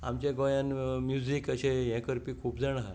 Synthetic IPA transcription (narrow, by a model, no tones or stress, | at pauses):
a̰mt͡ɕẽɡojãnmjuzikəɕẽɦɛ̃kəɾpiːkʰuːpd͡zaɽ̃aɦ